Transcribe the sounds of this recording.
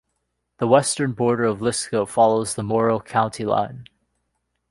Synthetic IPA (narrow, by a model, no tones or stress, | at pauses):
ðəwɛstə̃˞nbɔɹɾə˞ʌvlɪskoʊfɑlˠoʊzðəmɔɹl̩ˠkʰãʊ̃ntʰilã̰ɪ̃n